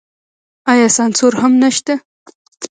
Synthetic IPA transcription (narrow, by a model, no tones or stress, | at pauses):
ɑjɑsɑnsoɾhamnaʃt̪a